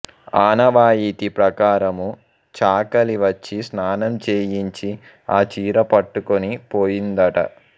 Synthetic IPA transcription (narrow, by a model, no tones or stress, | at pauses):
aːnɐʋaːjiːt̪ipɾɐkaːɾɐmu | t͡ʃaːkɐliʋɐt͡ʃːisnaːnɐmt͡ʃeːjiɲt͡ʃi | aːt͡ʃiːɾɐpɐʈːukonipoːjind̪ɐʈɐ̰